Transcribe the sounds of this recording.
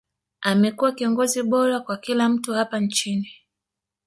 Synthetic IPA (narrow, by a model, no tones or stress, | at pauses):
amɛkuwakiɔŋɡɔziɓɔɾakwakilam̩tuhapant͡ʃini